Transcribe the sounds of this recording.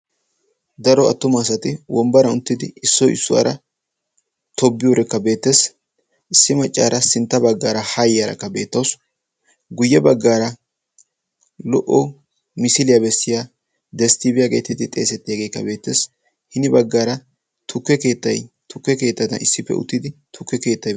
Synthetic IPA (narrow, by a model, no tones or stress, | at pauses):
d̪ɐɾɔɐ̰t̪ːʊmaːsɐt̪ɪwʔɔmbɐɾɐʊnt̪ːɪd̪ɪɪsːɔɪ̰sːʊwa̰ːɾɐ | t̪ʰɔbːɪjoːɾɛkːɐbe̞ːt̪ːes | ʔɪsːɪmɐt͡ʃʼːa̰ːɾʔɐsɪnt̪ːɐbɐɡːaːɾɐhɐjɐɾɐ̰kːɐbe̞ːt̪ːɐws | ɡʊjːɛbɐɡːaːɾɐ | lɔ̰ʔɔ | mɪsɪlɪjabɛsːɪja | d̪ɛst̪ɪbɪjaɡe̞ːt̪ːɪd̪ɪt̪ʼe̞ːsɛt̪ːɪjaːɡe̞ːkːɐbe̞ːt̪ːeːs | hɪnɪbɐɡːaːɾɐ | t̪ʰʊkːɛke̞ːt̪ːɐj | t̪ʊkːɛke̞ːt̪ːɐt̪ɐ̰nɪ̰sːɪpːɛ̰ʔʊ̰t̪ːɪd̪ɪt̪ʰʊkːɛke̞ːt̪ːɐj